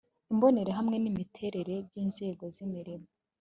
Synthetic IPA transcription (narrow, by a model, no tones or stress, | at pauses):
imbo̞ne̞ɾeɦamŋe̞nimitʰe̞ɾe̞ɾe̞bɟiːnz̥e̞ːɡo̞zimiɾimo